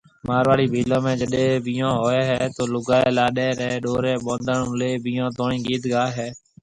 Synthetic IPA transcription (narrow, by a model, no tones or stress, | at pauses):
maːɾʋaːɽiːbʱiːlãːmẽːd͡ʒəɗẽːʋĩːãːɦoːeːɦɛːt̪oːlʊɡaːeːlaːɗeːɾɛ̃ːɗoːɾeːɓõːnd̪əɳũːleːbiːãːt̪oːɳĩːɡiːd̪ɡaːɦɛː